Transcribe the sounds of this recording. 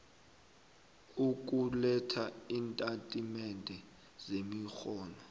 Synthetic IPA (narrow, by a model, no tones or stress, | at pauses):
uk̬ʼulɛtʰaintʼatʼimɛndʱɛ | z̥emixɔːnɔ